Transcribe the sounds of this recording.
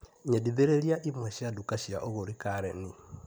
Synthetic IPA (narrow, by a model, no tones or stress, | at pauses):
ɲɛdiðeɾeɾiaʔimwɛʃiadukaʃiaʔoɣoɾikaɾɛni